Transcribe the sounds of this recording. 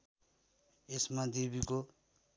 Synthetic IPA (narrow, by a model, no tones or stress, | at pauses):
esmad̪ebiko